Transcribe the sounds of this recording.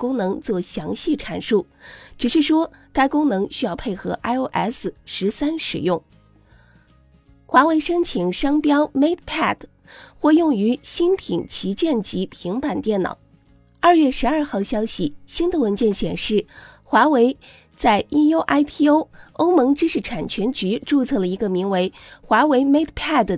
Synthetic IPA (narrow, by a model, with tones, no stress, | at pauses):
kʊ˥ŋnɤ˧˥ŋt͡swɔ˥˩ɕjɑ˧˥ŋɕi˥˩ʈ͡ʂʰa˨˩nʂu˥˩ | ʈ͡ʂɻ̩˨˩ʂɻ̩˥˩ʂwɔ˥ka˥ɪkʊ˥ŋnɤ˧˥ŋɕy˥jɑ˥˧ʊpʰe˥˩ɪxɤ˧˥ʔa˥ɪo˥ʊʔɛ̰˥s̩˨˩ʂɻ̩˧˥sa˥nʂɻ̩˨˩jʊ˥˩ŋ | xwa˧˥we˧˥ɪʂɤ˥ŋt͡ɕʰi˨˩ŋʂɑ˥ŋpjɑ˥ʊme˥ɪt̪pʰa˥˩d | xwɔ˥˧jʊ˥˩ŋy˧˥ɕi˥npʰi˨˩ŋt͡ɕʰi˧˥t͡ɕjɛ˥˩nt͡ɕi˧˥pʰi˧˥ŋpa˨˩nt̪jɛ˥˩nnɑ̰˨˩˦ʊ | ɐ˞˥˧ɥɛ˥˩ʂɻ̩˧˥ɐ˞˥˧xɑ˥˩ʊɕjɑ˥ʊɕi˥˨˩ɕi˥nd̪ə˨wə˧˥nt͡ɕjɛ˥˩nɕjɛ˨˩nʂɻ̩˥˩ | xwa˧˥we˧˥ɪ | t͡sa˥˩ɪʔi˥no˥ʊʔa˥ɪpʰi˥o˥ʊo˥ʊmɤ˧˥ŋʈ͡ʂɻ̩˥ʂɻ̩˥˩ʈ͡ʂʰa˨˩nt͡ɕʰɥɛ˧˥nt͡ɕy˧˥ʈ͡ʂu˥˧t͡sʰɤ˥˩lə˩i˧˥ɡə˧mi˧˥ŋwe˧˥ɪxwa˧˥we˧˥ɪme˥ɪt̪pʰɛ˥˩d̪